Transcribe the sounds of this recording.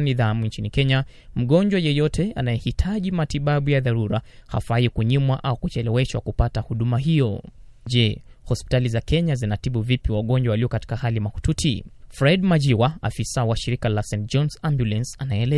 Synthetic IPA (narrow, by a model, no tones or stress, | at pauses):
niðamunt͡ʃinikɛɲa | m̩ɠɔnɲd͡ʒwajɛjɔtʰɛanajɛhitʰaʄimatiɓaɓujaðaɾuɾaha̰faikuɲimwaʔaukut͡ʃɛlɛwɛʃwa̰kupatahuɗumaɦijɔʄɛhɔspi̥talizakɛɲazinatiɓuvipiwaɠɔɲd͡ʒwawaliɔkati̥kahalimahu̥tutʰḭfɾɛdmad͡ʒiwaa̰fisawaʃiɾikalasɛ̃nt̚d͡ʒɔnsambjulɛnsanaɛlɛ